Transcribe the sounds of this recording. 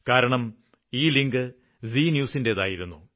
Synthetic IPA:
kaːɾɐɳɐm | iːliŋɡɨ | ziːnjuːsinde̞ðaːjiɾunːu

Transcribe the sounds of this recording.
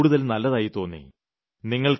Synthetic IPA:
ɽuðɐlnɐlːɐðaːjit̪o̞ːnːḭ | niŋːɐɭk

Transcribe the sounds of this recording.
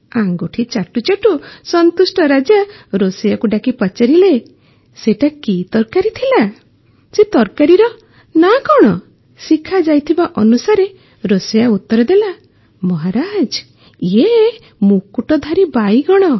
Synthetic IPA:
aŋɡuʈʰit͡ʃaʈut͡ʃaʈusɔnt̪usʈɔɾad͡ʒaɾosɔjakuɖakipɔt͡ʃaɾile | seʈakit̪ɔɾkaɾit̪ʰila | set̪ɔɾkaɾiɾɔ | nakɔɽ̃ɔ | sikʰad͡ʒajt̪ʰibaʔɔnusaɾe | ɾosɔjaut̪ːɔɾɔd̪ela | mɔɦaɾad͡ʒ | e | mukuʈɔd̪ʱaɾibajɡɔɽ̃ɔ

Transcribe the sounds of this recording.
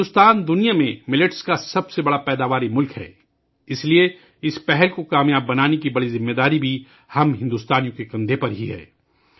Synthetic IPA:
ʊst̪aːnd̪ʊnijamẽmɪlɪʈskasɐbsebɐɽapɛːd̪aːʋaːɾimʊlkɦɛ̰ː | ɪslie | ɪspɛɦɛlkokaːmjaːbːɐnaːnekibɐɽizɪmːeːd̪aːɾibʱi | hɐmɦɪ̃nd̪ʊːst̪aːnijõkekɐ̃nd̪ʱepɐɾɦiɦɛ̰ː

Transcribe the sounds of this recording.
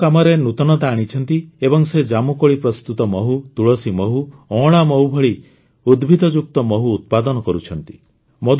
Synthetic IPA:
amɔɾenut̪ɔnɔt̪aːɽ̃it͡ʃʰɔnt̪iebɔŋsed͡ʒamukɔɭipɾɔst̪ut̪ɔmɔɦut̪uɭɔsimɔɦuɔ̃ɭ̃amɔwbʱɔɭi | ud̪bʱid̪ɔd͡ʒuk̚t̪ɔmɔɦuːt̪̚pad̪ɔnɔkɔɾut͡ʃʰɔnt̪i | mɔd̪

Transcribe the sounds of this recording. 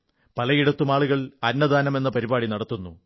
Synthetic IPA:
pɐlɐjiɽɐt̪ːumaːɭuɣɐɭɐnːɐd̪aːnɐme̞nːɐpɐɾibaːɽinɐɽɐt̪ːunːu

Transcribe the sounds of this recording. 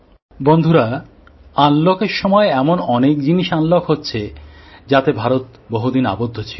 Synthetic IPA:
bond̪ʱuɾa | anlokeɾʃɔmɔeɛmonɔnek̚d͡ʑiniʃanlokɦotːɕʰed͡ʑat̪ebʱaɾot̪̚ | boɦud̪ina̰bod̪ʱːot͡ɕʰi

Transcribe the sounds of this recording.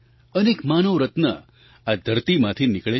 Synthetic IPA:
ənekmanəʋɾət̪nə | ad̪ʱəɾt̪imãt̪ʰinɪkɭe

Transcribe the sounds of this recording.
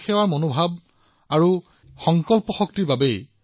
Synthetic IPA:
xɛwaɹmonobʱab̚ | aɹu | xɔŋkɔlpɔxɔk̚tiɹbabej

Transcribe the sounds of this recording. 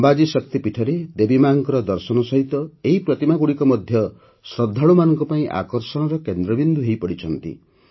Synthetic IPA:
mbad͡ʒisɔkt̪ipiʈʰɔɾed̪ebimaŋkɔɾɔd̪ɔɾsɔnɔsɔɦit̪ɔeɦipɾɔt̪imaɡuɽikɔmɔd̪ʱjɔ | sɾɔd̪ʱːaɭumanɔŋkɔpaĩʔa̰kɔɾsɔɽ̃ɔɾɔkend̪ɾɔbind̪uɦejpɔɽit͡ʃʰɔnt̪ḭ

